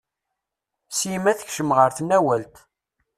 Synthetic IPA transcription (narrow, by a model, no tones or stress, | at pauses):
simæθəçʃəmʁəɾθnːæwælt̪